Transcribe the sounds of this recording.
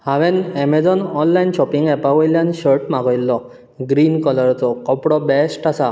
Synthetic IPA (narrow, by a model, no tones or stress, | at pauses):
haʋenɛmed͡zɔnɔnlajnʃɔpiŋɡɛpaɡɔjlanɕəɾʈmaɡɔjlːɔ | ɡɾinkɔlɔɾtɔkɔpɽɔbɛsʈasa